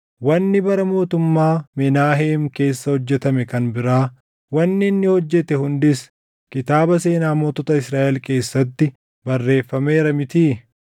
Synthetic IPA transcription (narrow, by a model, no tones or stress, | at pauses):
wɐnːɪbɐɾɐmo̞ːt̪ʊmːaːmɛnaːɦeːmke̞ːsːɐhɔd͡ʒːɛt̪ɐmɛkɐnbɪɾaː | wɐnːɪːnːɪhɔd͡ʒːɛt̪ɛhʊnd̪ɪs | kɪt̪aːbɐse̞ːnaːmoːt̪ɔt̪ɐɪsɾaːʔɛlke̞ːsːɐt̪ːɪ | bɐrːe̞ːfːɐme̞ːɾɐmɪt̪iː